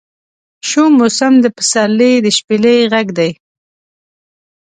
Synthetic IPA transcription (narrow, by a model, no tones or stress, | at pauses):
ʃumʊsamd̪əpə̥salːed̪əʃpelejɣaɡd̪aj